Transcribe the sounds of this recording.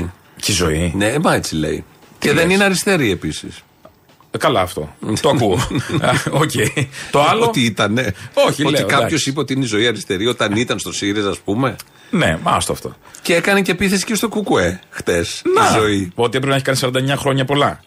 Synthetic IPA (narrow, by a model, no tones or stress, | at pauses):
cizo̞̰inemɐet͡silḛḭ | ceðe̞nineɐɾist̪e̞ɾie̞pisḭs | kɐlɐːft̪o̞̰t̪oɐkuo | ocejt̪oɐlot̪iit̪ɐneoçiot̪ikɐpço̞sipeo̞t̪iineizo̞iɐɾist̪e̞ɾio̞t̪ɐnit̪ɐnst̪osiɾesɐspume̞ | nḛmɐ̰st̪oɐ̰ft̪o̞̰ | ceekɐnece̞piθe̞si̥cest̪o̞kukue̞xt̪e̞snɐizo̞iot̪iepɾeineçikɐnisɐɾɐnd̪ɐeɲɐxɾo̞ɲɐpo̞lɐ